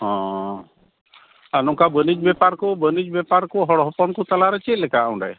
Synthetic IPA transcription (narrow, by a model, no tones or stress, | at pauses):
ɦɔ̃ | anɔŋkabənid͡ʒbɛpaɾkubənid͡ʒbɛpaɾkuɦɔɽɔɦɔpɔɳkut̪alaɾɛt͡ʃit̪lɛkaw̃ɳɖa̰j